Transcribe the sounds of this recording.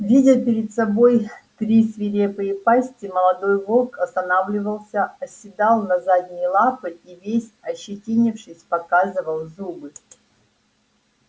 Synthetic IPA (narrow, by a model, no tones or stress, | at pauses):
vʲidʲəpʲɪɾʲɪd̪sɐbo̞jt̪ɾʲisvʲɪɾʲepɨjɪpasʲtʲɪməlˠɐd̪o̞jvo̞lˠkɐst̪ɐnavlʲɪvəlˠsʲəɐsʲːɪd̪alˠnɐzad̪ʲnʲɪjlˠapɨivʲesʲɐɕːɪtʲinʲɪfʂɨsʲpɐkazɨvəlˠzubɨ